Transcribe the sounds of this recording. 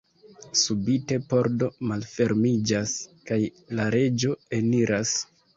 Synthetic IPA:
subite̞po̞ɾdo̞malfe̞ɾmid͡ʒaskaj | laɾe̞d͡ʒo̞e̞niɾʔas

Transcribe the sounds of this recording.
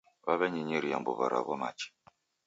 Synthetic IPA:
βaβɛɲiɲiɾija̰mbo̰βa̰ɾa̰βɔmat͡ʃi̥

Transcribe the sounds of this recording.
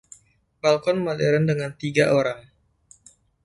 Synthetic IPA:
balkɔnmaleɾandəŋant̪iɡaʔoɾaŋ

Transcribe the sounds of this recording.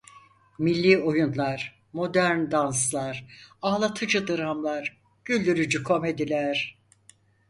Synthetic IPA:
milʲːiːo̞junlˠaɾ̥ | mo̞d̪æɾnd̪ans̬lˠaɾ̥aːlˠat̪ʰɯd͡ʒɯd̪ɯɾamlˠaɾ | ɟ̥ylʲd̪yɾyd͡ʒykʰo̞me̞d̪ilʲæɾ̥

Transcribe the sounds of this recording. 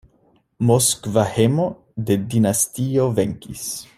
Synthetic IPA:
moskvahemo | d̪ed̪inast̪ioveŋkḭs

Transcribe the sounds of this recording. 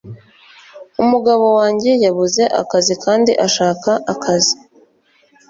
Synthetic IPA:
umuɡaβo̞waːɲɟe̞jaβuze̞ʔa̰kazikʰaːndḭʔaʃaːkaʔakʰazi̥

